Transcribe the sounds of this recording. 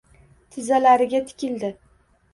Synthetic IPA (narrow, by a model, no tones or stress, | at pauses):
t̪ʰɪzalaɾɪɡʲat̪ʰɪ̥kʲɪld̪ɪ